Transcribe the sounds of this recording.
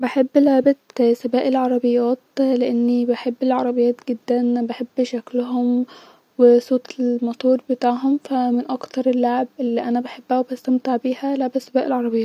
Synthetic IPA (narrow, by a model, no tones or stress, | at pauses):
baħebːlaʕbat̪sabæːʔɪlʕɑɾˤɑbɪjːæːt̪lɪʔɪnːibaħebːɪlʕɑɾˤɑbejːæːt̪ɡɪd̪ːænbaħebːʃæklʊɦʊm | wɪsˤoːt̪ɪlmɑt̪ˤuːɾbɪt̪aːʕɦʊmfæmɪnʔɑkt̪ɑɾˤɪlːaʕbʔɪlːiːʔænæbaħebːæhwbæst̪amt̪ɪʕbiːhælaʕbæsabæːʔɪlʕɑɾˤɑbɪjɑːt̪